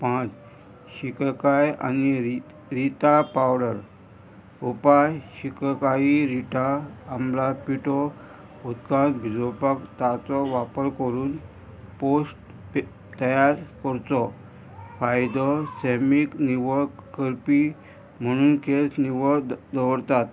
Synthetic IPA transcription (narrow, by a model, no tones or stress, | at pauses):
pãt͡s | ɕikkaja̰ni | ɾit̪apawɽəɾ | upajɕikkaiɾiʈʰaːmlapiʈɔ | ut̪kãt̪bʱid͡zopakt̪at͡sɔʋapəɾkəɾuːn | posʈ | t̪əjaɾkəɾt͡sɔ | fajd̪ɔsemikniʋəkkəɾpi | m̤əɽ̃uːnkesniʋəd̪əʋəɾt̪at̪